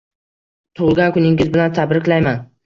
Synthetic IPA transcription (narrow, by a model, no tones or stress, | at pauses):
t̪ʰʊʁlˠɡʲankʊnɪŋʲɪzbɪlant̪ʰabɾɪkʲlajman